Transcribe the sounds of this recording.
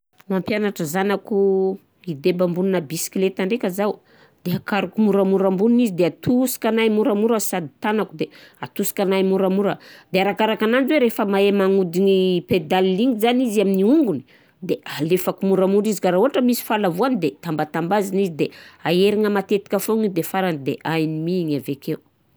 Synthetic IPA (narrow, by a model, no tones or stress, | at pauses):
mampjanaʈ͡ʂəzanaku | id̪ebambuninəbisi̥kilet̪aɳɖ͡ʐekʲazau | d̪̥eakaɾukumuɾamuɾambuninizid̪eat̪usi̥kanajmuɾamuɾəsad̪i̥t̪anakud̪eat̪usi̥kanajmuɾamuɾəd̪̥eaɾakaɾakanand͡ʒweɾefəmaemaŋud̪iniped̪alːiŋizaniziaminiuŋɡuni | d̪ealefakumuɾamuɾizikaɾauɦaʈ͡ʂəmisi̥falavuanid̪et̪ambat̪ambazinizid̪eaeɾiŋəmat̪et̪i̥kʲafoŋid̪efaɾanid̪ḛʔajinimiŋavekew